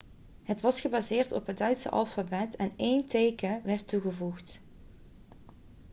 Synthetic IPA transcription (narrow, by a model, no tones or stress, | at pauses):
ɦətʋɑsχəbazɪːɹtɔ̰pɦət̚dœɥtsə̰ʔɑ̰lˠfabɛtʰɛnejntejkəʋɛɹtuɣəvuxt